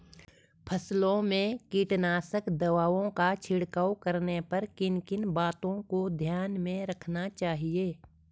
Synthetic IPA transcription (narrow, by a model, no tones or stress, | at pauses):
pʰəslõmẽkiːʈnaːsəkd̪ɐʋaːʋõkat͡ʃʰɪɽkaːwkəɾnepɐɾkɪnkɪnbaːt̪õkod̪ʱjaːnmẽɾɐkʰnat͡ʃaːɦieː